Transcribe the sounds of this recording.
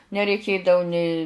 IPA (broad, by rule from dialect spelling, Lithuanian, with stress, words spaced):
nʲɛrʲɛɪˈkʲeːdɐʋʊ nʲeː